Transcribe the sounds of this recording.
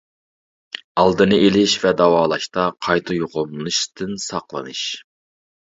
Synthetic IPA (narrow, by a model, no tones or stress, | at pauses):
ɑlˠd̪ɨnɨʔelɪʃvɛd̪ɑwɑːlˠɑʃt̪ɑqʰɑjt̪ʰɨjoʁomlɨnɨʃt̪ʰɨnsɑqlˠɨ̰nɨʃ